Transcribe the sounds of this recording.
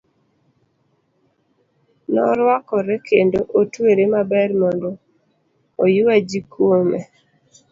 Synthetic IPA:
nɔ̰ɾwakɔɾɛkʰendoʔotweɾemabɛrmɔndɔ | ojʊwad͡ʒikwomɛ

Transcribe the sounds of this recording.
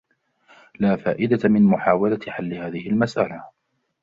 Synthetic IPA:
laːfa̰ːʔɪd̪amɪnmʊħaːwalat̪ħalːɪhaːðɪhɪlmasʔala

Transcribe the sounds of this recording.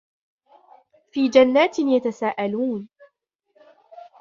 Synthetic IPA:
fiːd͡ʒanːaːt̪ɪnjat̪asaːʔaluːn

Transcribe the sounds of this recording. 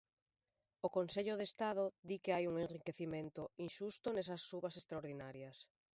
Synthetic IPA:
okonseʎʊðest̪að̞ʊd̪ikɪajuŋenrikeθimẽnt̪ʊinʃust̪ʊnes̬ɐsːuβɐsest̪ɾaoɾðinaɾjɐs

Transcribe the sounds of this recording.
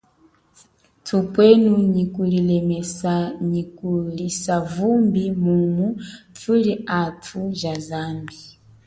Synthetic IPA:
tʰupwɛnuɲikulilɛmɛsaɲikulisavumbimumutʰuliatʰuʒazambi

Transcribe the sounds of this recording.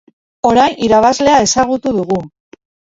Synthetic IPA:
o̞ɾajniɾaβ̞azle̞ae̞saɣ̞ut̪uðuɣu

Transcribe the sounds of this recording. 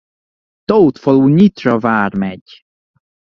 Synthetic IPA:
t̪owt̪foluːɲit̪rɒvaːrmɛɟ

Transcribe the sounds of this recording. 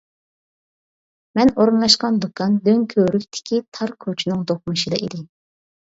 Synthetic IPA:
mɛnoɾɨnlˠɑʃqɑnd̪okʰɑnd̪øŋkʲʰøɾykʲt̪ʰɪ̥kʲʰit̪ʰɑɾkʲʰøt͡ʃʰynɪŋd̪ok̚mɨʃid̪ɑ̰ʔid̪ɪ

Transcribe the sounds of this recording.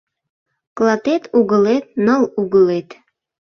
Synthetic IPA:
klˠɑt̪et̪ʰuɣəlet̪̚nəluɣəlet̪

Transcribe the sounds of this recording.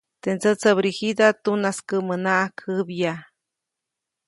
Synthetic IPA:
t̪ent͡sət͡səbɾihid̪at̪unaskəmənaʔakʰəbja

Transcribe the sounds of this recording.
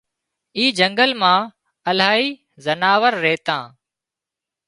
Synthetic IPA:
iːd͡ʒəŋɡəlmãː | əlaːiː | zənaːʋəɾːeːt̪ã̰ː

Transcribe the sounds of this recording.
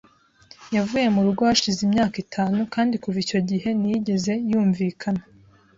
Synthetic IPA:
javuːje̞muɾuɡo̞haʃizimɲaːkitʰaːnukaːndikuvico̞ɟiɦe̞nijiɟe̞ze̞juːɱviːkʰana

